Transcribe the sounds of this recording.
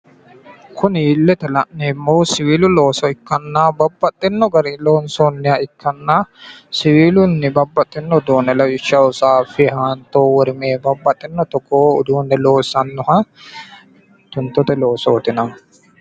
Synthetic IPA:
kʰʊniːlːɛt̪ɛlɐʔnːeːmːowsɪwiːlʊloːsɔɪkːɐnːaːbɐbːɐt̪ʼːɪnːɔɡɐɾiloːnsoːnːɪɐɪkːɐnːasɪwiːlʊnːɪbɐbːɐt̪ʼːɪnːɔd̪oːnɛlɐjɪʃɐwʊsaːfɪhaːnt̪oːwɔɾɪmeːbɐbːɐt̪ʼːɪnːɔt̪ɔkːoːʊd̪uːnːɛloːsɐnːʊhɐ | t̪ʊnt̪ːɔt̪ɛloːsoːt̪ɪnɐ

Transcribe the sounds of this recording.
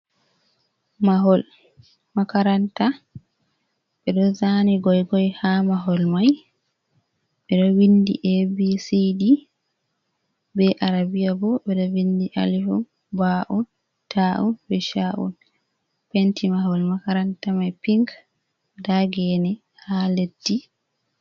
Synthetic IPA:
maɦɔl | makaɾanta | ɓɛɗɔzaniɡɔjɡɔjhamaɦɔlmaj | ɓɛɗɔwindḭʔebisidi | bɛʔaɾabiabɔbɛɗɔwindiʔa̰liɦum | baʔun | tʰaʔunbɛʃaʔṵn | pentimaɦɔlmakaɾantamajpiŋɡ | daɡɛnɛ | haledːi

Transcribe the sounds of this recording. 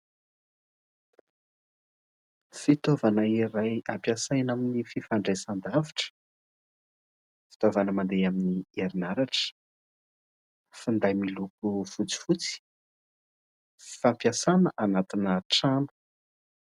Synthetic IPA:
fit̪ovanəiɾajampjasajnaminififaɳɖ͡ʐajsand̪aviʈ͡ʂə̥ | fi̥t̪ovanəmand̪ejaminieɾinaɾaʈ͡ʂə̥ | find̪ajmiluk̚ufut͡si̥fut͡si̥ | fi̥fampjasanəʔanat̪inəʈ͡ʂanə̥

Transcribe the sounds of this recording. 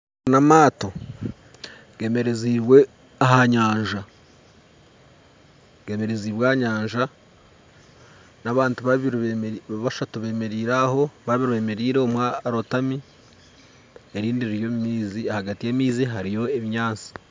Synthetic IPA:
namaːto̞ | ɡe̞ːme̞ɾeziːβwe̞ | aɦaɲaːɲʒa | ɡ̥e̞ːme̞ɾe̞ziːβwaːɲaːɲʒa | naβaːntuβaβiɾβaʃatuβe̞ːme̞ɾiːɾaho̞βaβiɾue̞ːme̞ɾiːɾeomwaɾotami | eɾiːndiɾiɾjo̞mimiːziahaɡatijemiːziɦaɾijo̞eβiɲaːnt͡si̥

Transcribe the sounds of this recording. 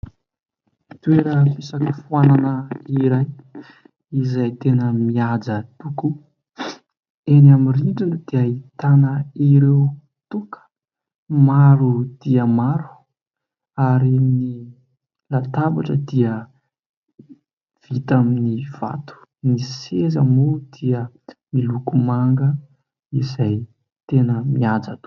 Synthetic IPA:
t̪ueɾəpisakəfuananəiɾaj | izajt̪enəmiad͡zət̪uku | enamiriɳɖ͡ʐand̪̥eait̪anəiɾew | t̪ukʰə̥ | maɾud̪̥iəmaɾu̥ | aɾini | lat̪abaʈ͡ʂəd̪iə | v̥it̪aminiv̥a̰t̪u̥nisezəmud̪̥iə | milukumaŋɡə | izaj | t̪enəmiad͡zat̪u̥

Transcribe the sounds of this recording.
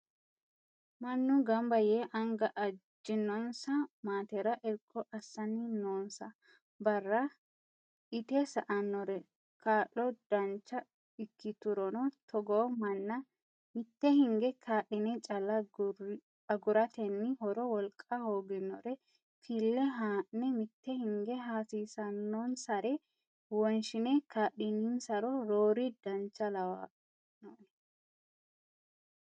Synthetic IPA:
mɐnːʊɡɐmbɐjeʔɐŋɡɐʔɐd͡ʒɪnːɔnsɐmaːt̪ɛɾɐʔɛɾkʰʼːɔʔɐsːɐnːɪnoːnsɐ | bɐrːɐ | ʔɪt̪ɛsɐʔɐnːɔɾɛ | kʰaːʔːɔd̪̥ɐnt͡ʃːɐ | ɪkːɪt̪ʊɾɔnɔt̪ʰɔɡoːmɐnːɐ | mɪt̪ːɛhɪŋɡɛkʰaːɗɪnɛt͡ʃʼɐlːɐ | ɐɡʊɾɐt̪ɛnːɪhɔɾɔwɔlkʼːahoːɡɪnːɔɾɛ | fʰilːɛɦaːnɛmɪt̪ːɛhɪŋɡɛɦaːsiːsɐnːɔnsɐɾɛ | wɔnʃɪnɛkʰaːɗɪninsɐɾɔɾoːɾid̪̥ɐnt͡ʃːɐlɐwa̰ | noːnɛ

